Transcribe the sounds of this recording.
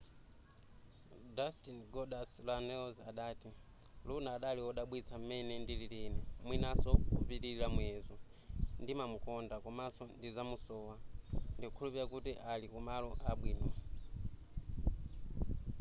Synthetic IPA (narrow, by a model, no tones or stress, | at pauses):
dastinɡɔdaslanɛɔzaɗaːti | lunaːɗaliɔɗaɓwit͡sʰam̩mɛnɛndililinɛmwinasɔkupiɾilamwɛzɔndimamukɔndakɔmasɔndizamusɔːwandiukʰulupiɾakutiʔalikumalɔʔaɓwiːnɔ